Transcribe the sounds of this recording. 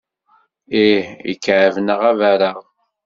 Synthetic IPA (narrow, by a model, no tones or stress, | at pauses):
ihḭkːʕəvnəʁævæɾəʁ